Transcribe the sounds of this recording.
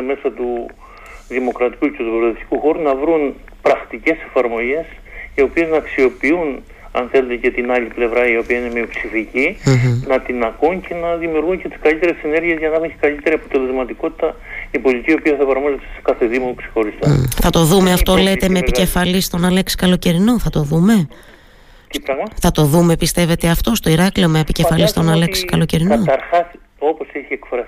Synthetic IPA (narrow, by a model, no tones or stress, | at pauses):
me̞sɐt̪u | ðimo̞kɾɐt̪i̥kucet̪umoklɐt̪ist̪i̥kuxo̞ɾunɐvɾun | pɾɐxt̪ice̞se̞fɐɾmo̞ʝe̞s | io̞pieznɐːksio̞piun | ɐ̰nθe̞lud̪ece̞t̪inɐʎiple̞vɾɐio̞piɐine̞miupsificinɐt̪inɐkuncʰe̞nɐðimiuɾɣuɲce̞t̪i̥skɐlit̪e̞ɾesene̞ɾʝiezʝɐnɐxuekɐlit̪e̞ɾiɐpo̞t̪e̞le̞zmɐt̪iko̞t̪i̥t̪ɐ | ipo̞lit̪icio̞piɐθɐefɐɾmozet̪e̥se̥kɐθeðimokse̥xo̞ɾist̪oθɐt̪o̞ðumeɐft̪o̞le̞t̪e̞meːpice̞fɐlist̪o̞nɐle̞ksi̥kɐlo̞ce̞ɾino̞θɐt̪o̞ðume̞ | ɾɐɣmɐθɐt̪o̞ðume̞pist̪e̞ve̞t̪e̞ɐft̪o̞st̪o̞iɾɐkliomeepice̞fɐlist̪onɐle̞ksi̥kɐlo̞ce̞ɾinɐot̪ɐɾxɐs | o̞po̞seçiekfɾɐ